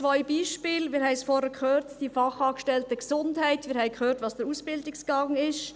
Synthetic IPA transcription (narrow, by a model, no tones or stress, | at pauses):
t͡sʋɔʏbiːʃpɪːlmɪːɾhɛɪsfɔɾəkχøːɾtd̥ifɑχɑːɡəʃtɛltəɡsʊndhæɪtmɪːɾhɛɪkhøːɾtʋɑːsd̥əɾusb̥ɪldɪksɡ̥ɑŋɪʃ